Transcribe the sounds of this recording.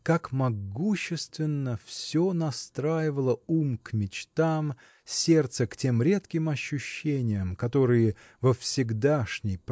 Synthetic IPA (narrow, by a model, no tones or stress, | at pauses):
kakmɐɡuɕːɪst̪vʲɪnːəfsʲo̞nɐst̪ɾajɪvəlˠəumkmʲɪt͡ɕt̪am | sʲe̞rt̪səktʲe̞mɾʲe̞t̪kʲɪmɐɕːʊɕːenʲɪjəmkɐt̪o̞ɾɨjɪ | vəfsʲɪɡd̪aʂnʲɪjp